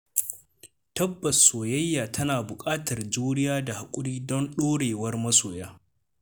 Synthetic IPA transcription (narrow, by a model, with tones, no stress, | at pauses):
tɐ˦bːɐ˨sːoː˨jɐ˦jːaː˨tʰɐ˦naː˨bʊ˨kʼaː˦tɐ˨rd͡ʒuː˦ɽɪ˦jaː˦da˨ha˨kʷʼʊ˦ɽiː˦dɔ˦nɗoː˦ɽeː˨wɐ˦rmɐ˦soː˨jaː˦